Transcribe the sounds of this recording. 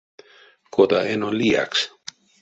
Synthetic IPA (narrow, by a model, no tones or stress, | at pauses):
kʰot̪aenolia̰ks